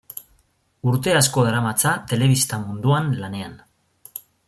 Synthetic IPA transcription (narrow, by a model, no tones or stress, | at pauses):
uɾt̪e̞asko̞aɾamat͡sat̪e̞le̞β̞ist̪amund̪uanlane̞an